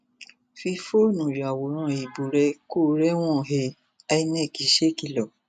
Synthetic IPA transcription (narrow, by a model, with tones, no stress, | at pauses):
fi˧fo˦nũ˨ɾa˨wo˨ɾ̃ã˧i˨bo˨ɾɛ˧˦ko˦˨ɾɛ˦w̃ɔ̃˦˨ɦe˧ | a˧i˧˦nɛ̃˦˨ki˨˦ʃe˦ki˧lɔ˨